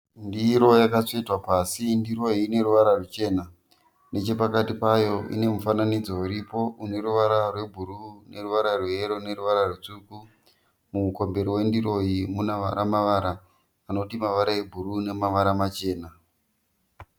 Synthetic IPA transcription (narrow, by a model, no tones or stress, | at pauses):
ndiɾo̞jakat͡ʂoitwapasindiɾo̞ɦiːne̞ɾuʋaɾarut͡ʃe̞ːna | ne̞t͡ʃe̞pakatipajo̞ḭne̞mufananid͡zo̞uɾipo̞une̞ɾuʋaɾarwe̞bʱuɾune̞ruʋaɾarweeɾo̞neruʋaɾarut͡ʂuku | muko̞mbe̞ɾiwe̞ndiro̞jimunaʋa̰ɾamaʋaːɾaː | no̞timaʋaɾae̞bʱurune̞maʋaɾamat͡ʃe̞ːna